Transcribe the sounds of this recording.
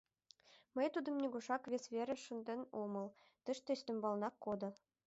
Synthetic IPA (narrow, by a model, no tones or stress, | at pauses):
məjt̪ud̪ɤ̆mnʲeɡuʂɑkβʲesʲβʲeɾʲɘ̆ʃɤnd̪ʲɘ̆nʲomɤ̆lˠ | t̪ə̆ʃt̪esʲt̪ɘ̆mbɑlˠnɑkːod̪ɤ̆